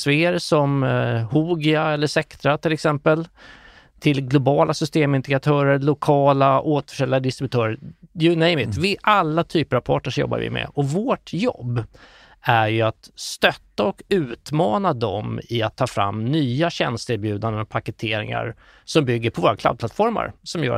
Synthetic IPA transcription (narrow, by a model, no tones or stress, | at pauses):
sveːəɾsɔmhuːɡɪaɛlːəʂɛkt̪ɾat̪ʰɪlɛksɛmpəl | t̪ʰɪlɡlʊbɑːlʔasʏst̪eːmɪnd̪ɪkat̪ʰœːɾəɾlʊkʰɑːlaoːt̪fœʂɛljad̪ɪst̪ɾɪbɵt̪ʰœːɾəjʉnɛɪmɪt̪vɪʔalːat̪ʰyːpəɾavpʰɑːʈɳəʂjɔ̰bːa̰ɾvɪ̰mɛ̰ɔvoːʈjɔ̰bː | æɾjɵat̪st̪œt̪ːaɔkʉ̟ːt̪mɑːnad̪ɔmɪat̪ʰːɑːfɾa̰mːnyːaɕɛnst̪ɪɾbjʉ̟ːd̪and̪ənɔpʰakɛt̪ʰeːɾɪ̰ŋa̰ɾ | sɔmbʏɡːəɾpʰɔvoːɾakla̰d̪̚pʰlat̪fɔɾma̰ɾsɔmjœ̰ːɾa